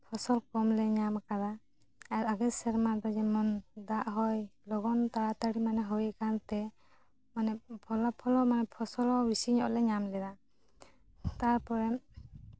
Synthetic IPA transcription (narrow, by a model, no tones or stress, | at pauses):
pʰɔsɔlkɔmlɛɲamkaɾaː | ɾaɡɛsɛɾmad̪ɔd͡ʒɛmɔnd̪aʔɦɔjlɔɡɔnt̪aɾat̪aɽimanɛɦɔwɛkant̪ɛ | manɛpʰɔlapʰɔlɔmanɛpʰɔsɔlɔwisiɲɔʔlɛɲamlɛɾa | t̪aɾpɔɾɛ